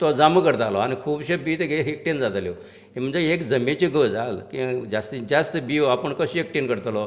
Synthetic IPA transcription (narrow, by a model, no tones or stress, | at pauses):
t̪ɔd͡zaməkəɾt̪alɔañikʰuːbɕebit̪eɡʱeɦek̚ʈend͡zat̪ljɔ | em̤əɳd͡zeekd͡zəmet͡ɕiɡəd͡zalkid͡ʑast̪id͡ʑast̪biapəɳkəɕiek̚ʈenkəɾt̪lɔ